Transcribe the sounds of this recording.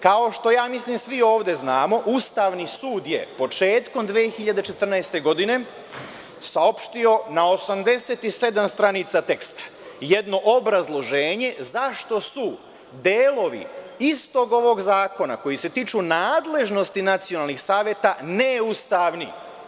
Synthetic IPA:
kao̞ʃt̪o̞jaːmisliːmsʋio̞ːʋd̪e̞znaːmo̞ʔust̪aːʋnisuːd̪jḛpo̞t͡ʃeːt̪ko̞md̪ʋeːxiʎad̪e̞t͡ʃe̞t̪r̩naest̪e̞ɡo̞d̪ine̞ | sao̞pʃt̪io̞naosamd̪e̞se̞t̪ise̞d̪amst̪ɾanit̪sat̪e̞kst̪ḁ | jed̪no̞ʔobɾazlˠo̞ʒe̞ːɲe̞zaʃt̪o̞su | d̪eːlo̞ʋḭist̪o̞ɡo̞ʋo̞ɡzaːko̞na̰ko̞jise̞t̪iːt͡ʃunaːd̪le̞ʒno̞st̪inat̪sijonalˠnixsaːʋjet̪aneust̪aʋnḭ

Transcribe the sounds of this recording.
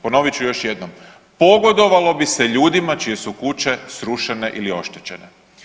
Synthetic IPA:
po̞no̞ʋit͡ɕujoʃjed̪nom | po̞ɡo̞d̪o̞ʋalo̞biseʎuːd̪imat͡ʃije̞sukut͡ʃe̞sɾuʃene̞ʔilio̞̰ʃt̪et͡ɕe̞ne

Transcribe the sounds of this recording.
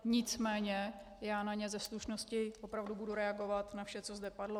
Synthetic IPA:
ɲɪt͡smɛːɲɛ | jaːnaɲɛzɛsluʃno̞scɪvopɾavdubuduɾɛaɡo̞vat̪nafʃɛt͡so̞zdɛpadlo

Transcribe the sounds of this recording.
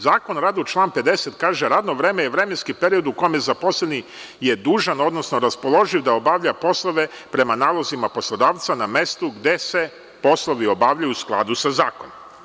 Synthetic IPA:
zaːko̞nɾaːd̪ut͡ʃlˠaːnpe̞d̪e̞set̪kaːʒeɾaːd̪no̞ʋɾeːmejeʋɾe̞menskipe̞ɾio̞d̪uko̞jmjezapo̞sleni | jed̪uːʒano̞d̪no̞sno̞ɾaspolˠo̞ʒiʋd̪aobaʋʎapo̞slˠo̞ʋe̞pɾe̞manaːlˠo̞zimapo̞slˠod̪aːʋt̪saname̞st̪uɡd̪e̞se̞ | po̞slˠoʋio̞baːʋʎajuusklˠa̰d̪usazaːkonom

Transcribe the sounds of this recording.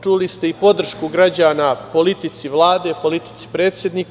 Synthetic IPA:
t͡ʃulist̪eipo̞d̪r̩ʃkuɡɾad͡ʑaːnaːpo̞lit̪it̪siʋlˠaːd̪e̞po̞lit̪i̥t̪si̥pɾe̞ːt̪sʲjed̪niːk

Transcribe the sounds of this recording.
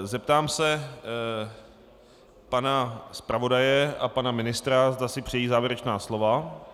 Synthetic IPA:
zɛp̚t̪aːmsɛ | panaspɾavo̞dajɛʔapanamɪnɪst̪ɾazd̪asɪpr̝̥ɛjiːzaːvjɛɾɛt͡ʃnaːslo̞va

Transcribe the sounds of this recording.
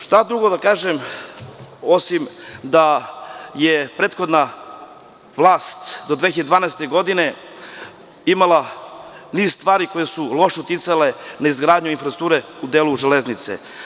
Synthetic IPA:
ʃt̪ad̪ɾuɡo̞d̪akaːʒem | o̞simd̪a | jepɾe̞ːt̪xo̞d̪na | ʋlˠaːst̪d̪od̪ʋeːçiad̪ed̪vaːnaest̪e̞ɡo̞d̪ine̞ | imalˠa | niːzst̪ʋaːɾiko̞jesulˠo̞ʃut̪it̪sale̞naizɡɾaːd̪ɲuinfɾast̪uːɾeud̪eːluʒeleznit̪sḛ

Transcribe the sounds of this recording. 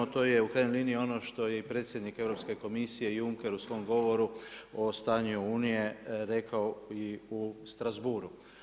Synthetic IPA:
ot̪oːje̞ukɾaːjnolˠiːniio̞noʃt̪o̞je̞ipɾe̞ːt̪sʲjed̪nike̞vɾo̞pske̞ko̞misije̞juŋke̞ɾusʋo̞jmɡo̞ʋo̞ɾuost̪aːɲuuːnije̞ɾe̞kaoiust̪ɾazbuːɾu

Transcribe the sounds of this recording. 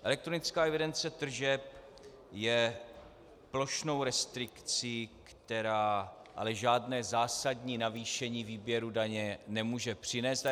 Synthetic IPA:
ʔɛlɛk̚t̪ɾonɪt͡skaːɛvɪdɛnt͡sɛt̪r̩ʒɛp̚ | jɛ | plo̞ʃno̞wɾɛst̪ɾɪkt͡sikt̪ɛɾaː | ʔa̰lɛʒaːdnɛːzaːsadɲiːnaviːʃɛɲiːviːbjɛɾudaɲɛnɛmuːʒɛpr̝̥ɪnɛːst̪

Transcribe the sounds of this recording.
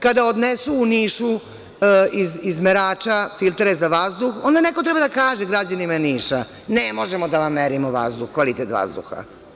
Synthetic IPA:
kad̪aod̪nesuːniːʃu | izizmeɾaːt͡ʃafilˠt̪ɾezaʋazd̪uxond̪anekot̪ɾɛbad̪akaːʒeɡɾad͡ʑanimaeniːʃa | nemo̞ʒemod̪aʋamːeɾimoʋa̰zd̪uxkʋalit̪et̪ʋa̰zd̪ṵxa̰

